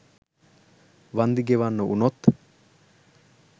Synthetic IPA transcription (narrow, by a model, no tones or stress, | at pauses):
ʋɐnd̪iɡeʋanːuʔunot̪ː